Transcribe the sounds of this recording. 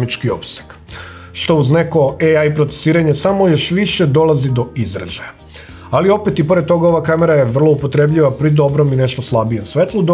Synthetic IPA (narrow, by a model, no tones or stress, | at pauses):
mit͡ʃkio̞̰pse̥k | ʃt̪o̞uzne̞ko̞eajipɾo̞t̪se̥siːɾaɲe̞samo̞jo̞ʃʋiʃe̞d̪o̞lˠazid̪o̞izɾa̰ʒaja | alio̞pet̪ipo̞ɾe̞d̪̚t̪o̞ɡao̞ʋakame̞ɾajeʋr̩lˠo̞upo̞t̪ɾe̞bʎiʋapɾid̪o̞bɾo̞mine̞ʃt̪oslˠabije̞msʋe̞t̪lˠud̪